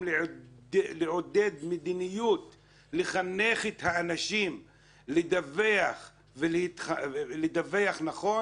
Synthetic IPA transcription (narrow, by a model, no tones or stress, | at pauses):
l | leʕod̪e̞d̪med̪inijut̪ | leχaneχet̪haːnaʃim | led̪aveaχ | velehit̪χaled̪ave̞aχnaχo̞